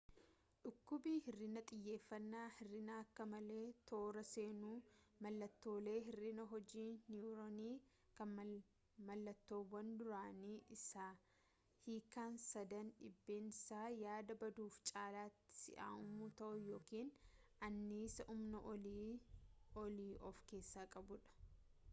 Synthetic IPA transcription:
ᶑʊkːʊbiːhɪrːɪnɐt̪ʼɪjːe̞ːfːɐnːaːhɪrːɪnaːɐkːɐmɐle̞ːt̪ʰo̞ːɾɐse̞ːnuːmɐlːɐt̪ːo̞ːle̞ːɦɪrːɪnɐɦɔd͡ʒiːnjuːɾoniː | kɐn | mɐlːɐt̪ːo̞ːwɐnd̪ʊɾaːniːʔɪsaː | hiːkaːnsɐd̪ɐnᶑɪbːe̞ːnɪsaːjaːd̪ɐbɐd̪uːft͡ʃʼaːlaːt̪ːɪ̥sɪ̰ʔa̰ːʔʊmut̪ɐʔʊjo̞ːkiːn | ʔɐnːiːsɐʔʊmnɐʔ | ɔliːʔɔfke̞ːsːaːkʼɐbʊᶑɐ̥

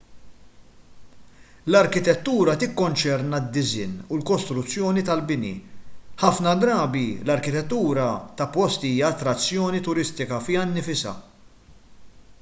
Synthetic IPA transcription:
lɐɾkɪt̪ɛt̪ːuːɾɐt̪ɪkːɔnt͡ʃɛɾnɐd̪ːɪzɪ̰nulkɔst̪ɾʊt͡sːjɔːnit̪ɐlbɪnḭħɐfnɐd̪ɾɐːbilɐɾkɪt̪ɛt̪ːuːɾɐt̪ɐpɔst̪iiːjɐːt̪ːɾɐt͡sːjɔːnit̪ʊɾɪst̪ɪkɐfiɐnːɪfɪsɐ̰

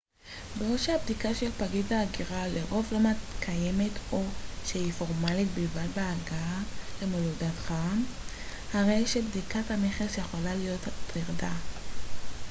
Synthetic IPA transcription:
beʁoʃaabdikaʃelpaɡidaːɡiʁaleʁo̞vlo̞metkʰaje̞me̞tʰo̞ʃehifo̞ʁmalit̚bilvadbeaɡaale̞moludatχaam | haʁe̞jʃebdikathane̞χesjeχolalijo̞ttiʁda

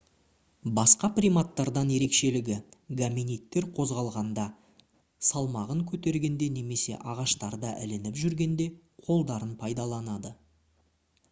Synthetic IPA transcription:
bɑsqɑprijmat̪ːɑɾd̪ɑnje̞ɾe̞kʃe̞lɪɡʲɪɡamʲinijt̪ːe̞ɾqʰo̞zʁɑlˠʁɑnd̪ɑ | sɑlˠmɑʁəŋkʲʰɵt̪e̞ɾɡʲe̞nd̪e̞ne̞me̞se̞̰ʔɑʁɑʃt̪ɑɾd̪ɑʔɪlɪnɪpʒʏɾɡʲe̞nd̪e̞ | qʰo̞lˠd̪ɑɾənpʰɑjd̪ɑlˠɑnɑd̪ə

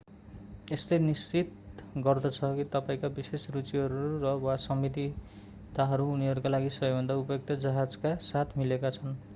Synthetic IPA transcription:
estenist͡sit̪ɡʌrd̪ʌt͡sʰʌkit̪ʌpaĩkabisesrut͡siɦʌɾurʌwasʌmit̪̬i | t̪aɦʌɾuːniɦʌɾukalaɡisʌbebʱʌnd̪aupjok̚t̪ʌd͡zʌɦad͡zkasat̪ʰmilekat͡sʰʌn

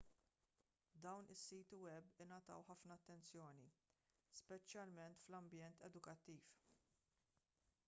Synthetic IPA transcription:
d̪ɐwnʔɪsːiːt̪iwɛbɪnɐt̪ɐ̰wħɐfnɐːt̪ːɛnt͡sjɔːni | spɛt͡ʃːjɐlmɛnt̪flɐmbjɛnt̪ɛd̪ʊkɐt̪ːiːf

